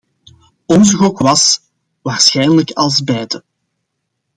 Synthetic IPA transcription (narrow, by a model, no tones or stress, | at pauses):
ɔnzəɣɔkʋɑs | ʋaːrsxɛjnələkɑlˠzbɛjdə